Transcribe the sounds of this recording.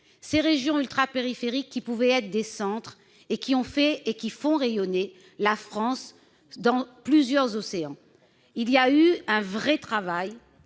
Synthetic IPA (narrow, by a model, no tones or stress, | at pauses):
seʁeʒjɔ̃ylt̪χapeʁifeʁikʲːipuvɛɛt̪χd̪esɑ̃t̪χ | ekʲiɔ̃fɛekʲifɔ̃ʁejɔne | lafχɑ̃s | d̪ɑ̃plyzjœʁzɔseɑ̃ | iliayɛ̃vʁɛt̪χavaj